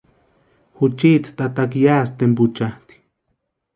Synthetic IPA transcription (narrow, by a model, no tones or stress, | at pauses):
hut͡ʃit̪t̪at̪akjaːst̪emput͡ʃat̪i̥